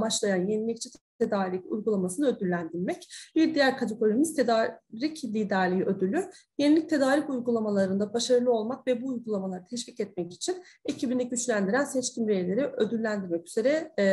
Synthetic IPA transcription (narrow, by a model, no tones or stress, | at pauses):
mat͡ʃlˠajanjenilʲic̚t͡ʃʰɛt̪ʰt̪ʰe̞d̪aːɾicṵjɡulˠamasɯnɯø̞d̪ylʲːænd̪iɾmɛcbiɾd̪ijæɾkʰat̪ʰe̞ɡo̞ɾimiz̥t̪ʰed̪aːɾiclʲiːd̪æɾlʲijiø̞d̪ylʲyyø | jenilʲic̚t̪ʰe̞d̪aːɾicujɡulˠamalˠaɾɯnd̪abaʃaɾɯlˠɯo̞lˠmakvɛbuːjɡulˠamalˠaɾt̪ʰɛʃvicɛt̪̚mɛci̥t͡ʃʰin | ecʰibind̪ʲicʲyt͡ʃlʲænd̪iɾænsɛt͡ʃcʰimɾejelʲe̞ɾiød̪ylːʲænd̪iɾmɛcy̥z̥e̞ɾɛ